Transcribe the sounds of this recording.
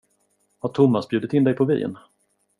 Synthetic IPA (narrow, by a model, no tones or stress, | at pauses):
haʈʰʊmːasbjʉːd̪ɪt̪ɪnd̪ɛjpʰɔvḭːə̰n